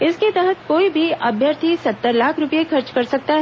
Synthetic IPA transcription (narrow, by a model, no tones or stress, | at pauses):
ɪsket̪ɛɦət̪̚koːibʱiɐbʱjəɾt̪ʰisɐt̪ːəɾlaːkʰɾʊpijexɐɾt͡ʃkɐɾsɐk̚t̪aɦɛ